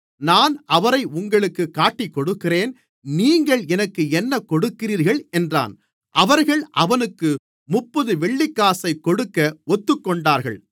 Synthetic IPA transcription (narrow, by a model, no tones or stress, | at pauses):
naːnɐʋɐɾɐɪʊŋɡɐɭɯkːɯkːaːʈːɪkːɔɽɯkːɪreːn | niːŋɡɐɭɛnɐkːɯɛnːɐkɔɽɯkːɪriːɾɣɐɭɛndra̰ːn | ʔɐʋɐɾɣɐɭʔɐʋɐnɯkːɯ | mʊpːɐðɯʋɛɭːɪkːaːsɐɪkːɔɽɯkːɐɔt̪ːɯkːɔɳɖaːɾɣɐ̰ɭ